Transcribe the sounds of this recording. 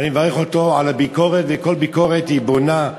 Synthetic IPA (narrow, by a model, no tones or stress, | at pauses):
animevaʁeχotoalabiko̞ʁetveko̞lbikoʁethibona